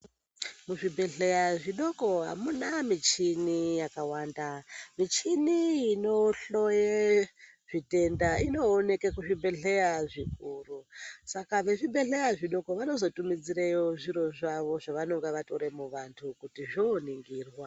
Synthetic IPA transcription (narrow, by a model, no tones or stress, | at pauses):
muʐibʱe̞ɮe̞jaʐiɗo̞ko̞ɦa̰munamit͡ʃinijakawaːndamit͡ʃiniino̞ɬo̞je | ʐite̞ndaino̞ːne̞kekuʐimbe̞ɮejaʐikurusakaʋe̞ʐibe̞ɬe̞jaʐiɗo̞ko̞ʋano̞zo̞tumid͡ziɾejoʐiɾo̞ʐaʋo̞ʐaʋano̞ŋɡeʋato̞ɾe̞muʋantʰukutiʐoːniŋɡiːrwa